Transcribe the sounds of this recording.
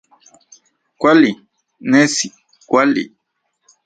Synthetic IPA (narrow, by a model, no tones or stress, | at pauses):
kwali | nɛsi | kwalḭ